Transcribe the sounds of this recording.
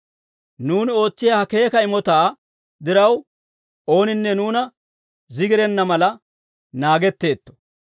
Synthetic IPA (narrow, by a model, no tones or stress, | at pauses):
nuːnɪo̞ːt͡sːɪjaːhɐke̞ːkɐɪmɔt̪aː | d̪ɪɾɐw | o̞ːnɪnːɛnuːnɐ | zɪɡɪɾɛnːɐmɐlɐ | naːɡɛt̪ːe̞ːt̪ːɔ̥